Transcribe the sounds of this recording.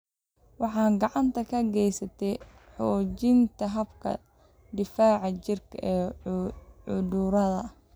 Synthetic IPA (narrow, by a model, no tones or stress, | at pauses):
wɑħɑːɡɑʕɑnt̪ʰɐkʰɐɡɛjsɐt̪ʰɛj | ħɔːt͡ʃɪnt̪ʰɐɦɐbkʰɐ̰ | d̪ɪfaːʕɑt͡ʃɪrkʰɐʔɛː | ʊduɾɐðɐ